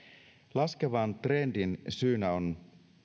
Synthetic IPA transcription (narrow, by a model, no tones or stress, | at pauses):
lɑskeʋɑnt̪re̞ndinsyːnæo̞n